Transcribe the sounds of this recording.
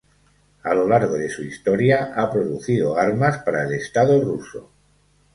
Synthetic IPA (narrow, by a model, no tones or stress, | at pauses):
a̰lo̞laɾɣ̞oðe̞suist̪o̞ɾjaʔapɾoðuθiðoaɾmaspaɾaele̞st̪aðoruso̰